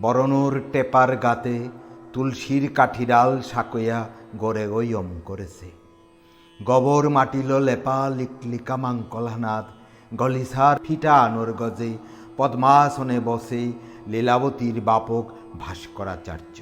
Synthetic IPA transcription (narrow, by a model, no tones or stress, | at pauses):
bɔɾonoɾʈepaɾɡat̪et̪ulʃiɾkaʈʰiɖalʃakojaɡoɾeojomkoɾet͡ɕʰe | ɡɔboɾmaʈilolepaliklikamaŋkɔlɦanat̪ | ɡɔlisaɾpʰiʈanoɾɡɔd͡ʑe | pɔd̪maːsonebɔse | lelabot̪iɾbapok | bʱaʃkɔɾat͡ɕa̰ɾd͡ʑɔ